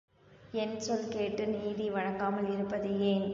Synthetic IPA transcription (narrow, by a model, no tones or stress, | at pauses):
ɛnsɔlkeːʈːɯniːðiʋɐɻɐŋɡaːmɐlɪɾɯpːɐðɯjeːn